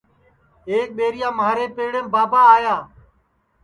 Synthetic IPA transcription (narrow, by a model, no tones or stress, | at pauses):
eːk̚ɓeːɾɪjãːmaːɾeːpeːɽẽːmbaːbaːaːjaː